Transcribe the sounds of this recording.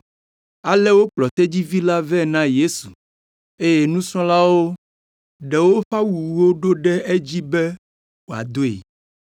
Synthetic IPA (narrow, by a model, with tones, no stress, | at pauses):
a˨lɛ˦wo˦k͡plɔ˨t̪ɛ˦d͡ʑi˦vi˦la˦vɛ˦˨nã˦je˦su̥˨ | e˦je˨nũ˦sɔ̃˦la˦wo˦ | ɖɛ˨wo˦ɸa˦wu˨u˨wo˦ɖo˦ɖɛ˦e˦d͡ʑi˦bɛ˦ | wo˨a̰˨d̪o˦ḛ˨